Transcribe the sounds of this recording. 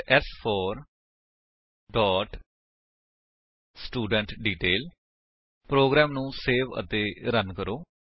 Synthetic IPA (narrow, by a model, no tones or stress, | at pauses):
ɛspʰɔːɾ | ɖɔːʈ | sʈuːɖə̃ɳʈɖiːʈeːl | pɾoːɡɾɛːmnũːseːʋə̰t̪eːɾənkəɾoː